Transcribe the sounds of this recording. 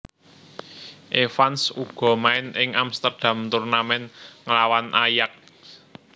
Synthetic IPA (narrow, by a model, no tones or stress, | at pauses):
ʔefansuɡ̥ɔ̤maɪnɪŋamst̪ərd̥a̤mt̪urnamɛnŋəlawanʔajak̚